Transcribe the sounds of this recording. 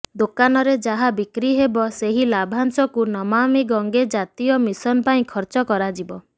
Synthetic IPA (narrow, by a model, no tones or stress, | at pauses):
d̪okanɔɾed͡ʒaɦabikɾiɦebɔseɦilabʱansɔkunɔmamiɡɔŋɡed͡ʒat̪ijɔmisɔnpaĩkʰɔɾt͡ʃɔkɔɾad͡ʒibɔ